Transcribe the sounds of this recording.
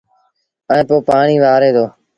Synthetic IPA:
ə̃ːpoːpaːɳiːʋaːɾeːd̪oː

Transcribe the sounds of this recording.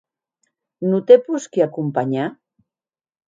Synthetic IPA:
nut̪epuskiakumpaɲa

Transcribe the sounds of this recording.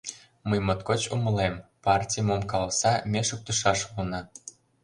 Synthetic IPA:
məjmot̪kot͡ɕumə̆lempɑrtʲijmomkɑlsɑmʲeʃok̚t̪uʃɑʃunɑ

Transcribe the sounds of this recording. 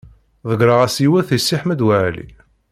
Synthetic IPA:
ðəɡɾəʁæsiwæθisːiħmæd̪wæʕlḭ

